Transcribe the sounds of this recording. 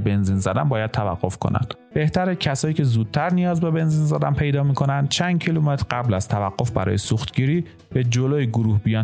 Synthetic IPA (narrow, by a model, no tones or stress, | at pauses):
be̞nziːnzæd̪ænbɒːjæd̪̥̚t̪ʰævæɢːo̞fkʰo̰næ̰nd̪̥ | be̞ht̪ʰæɾæcʰæsɒːjiːcʰe̞zuːd̪̥̚t̪ʰæɾnijɒːzbe̞be̞nziːnzæd̪ænpʰe̞jd̪ɒːmiːkʰo̞nænd̪̥̚t͡ʃʰænd̪̥̚cʰilumet̪ʰɾɢæblæz̥t̪ʰævæɢːo̞fbæ̰ɾɒ̰ːjesuxt̪ɟiːɾiː | b̥ed͡ʒoloːjiɡoɾuːhbijɒːn